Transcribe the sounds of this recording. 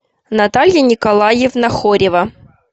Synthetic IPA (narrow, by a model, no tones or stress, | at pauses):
nɐt̪alʲjɐnʲɪkɐlˠajefnɐxoɾʲɪvɐ